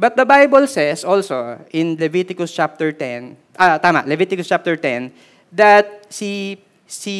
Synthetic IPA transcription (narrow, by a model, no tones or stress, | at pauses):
bɐt̪̚d̪ɐbajbɛlsɛsʔolsoʔɪ̃nlɛvit̪ɪkʊst͡ʃap̚t̪ɛɹt̪ɛn | ʔɐt̪aːma̰ʔlɛvit̪ɪkʊst͡ʃap̚t̪ɛɹt̪ɛn | d̪ɐt̪̚si | si